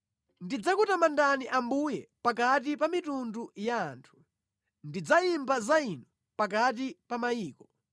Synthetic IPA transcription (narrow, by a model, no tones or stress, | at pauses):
ndid͡zakutamandaniʔambujɛpakat̬ipamitundujaːntʰu̥ | ndid͡zaimbazainɔ | pakat̬ipamaiːkɔ